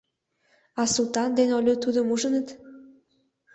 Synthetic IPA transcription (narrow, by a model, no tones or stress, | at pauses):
ɑsult̪ɑnd̪enolʲot̪ud̪əmuʒənət̪